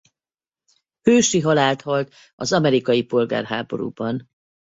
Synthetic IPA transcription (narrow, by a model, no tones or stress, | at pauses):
høːʃiɦɒlaːlt̪hɒlt̪ | ɒzɒmɛɾikɒjipo̞lɡa̰ːrɦaːbo̞̰ɾṵːbɒn